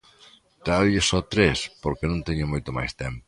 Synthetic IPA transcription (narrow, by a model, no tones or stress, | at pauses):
t̪aʎɪsɔt̪ɾespoɾkenõnt̪eɲʊmojt̪ʊma̰jst̪ɛmpo